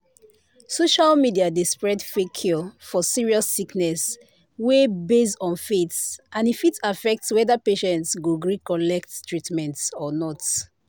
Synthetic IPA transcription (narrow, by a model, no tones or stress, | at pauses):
soʃalmidiadispɹɛdfekʰːifɔsiɹiɔsːiknɛs | webesɔ̃nfetsãnifitʰafɛk̚tswɛðəpeʃɛ̃ntsɡuɡɹikɔlɛk̚ttʰɹitmɛ̃ntsɔnɔt